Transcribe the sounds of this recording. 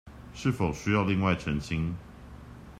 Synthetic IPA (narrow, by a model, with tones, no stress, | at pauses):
ʂɻ̩˥˩fo˨˩ʊɕy˥jɑ˥˧ʊli˥˧ŋwa˥˩ɪʈ͡ʂʰə˧˥ŋɕi˦ŋ